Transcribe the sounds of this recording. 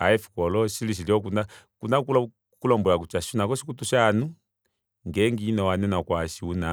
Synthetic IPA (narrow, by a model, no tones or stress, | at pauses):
aɛfi̥kɔlɔʃiliiljɔk̬unakunakul | kulɔmbɔlakut͡ʃaʃiunakɔʃikutuʃanu | ŋɡɛŋɡiːnɔwanɛnakwaʃiuna